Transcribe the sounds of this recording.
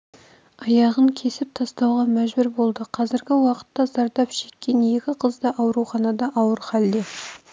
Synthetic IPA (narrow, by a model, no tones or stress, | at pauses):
ɑjɑʁəŋkʲʰe̞sɪp̚t̪ʰɑst̪ɑwʁɑmæʒbɪɾbo̞lˠd̪əqʰɑzɪɾɡʲɪwɑqə̥t̪ːɑzɑɾd̪ɑpʃe̞kʲːe̞nje̞kʲɪqʰəzd̪ɑʔɑwɾuχɑnɑd̪ɑʔɑwəɾχɑld̪e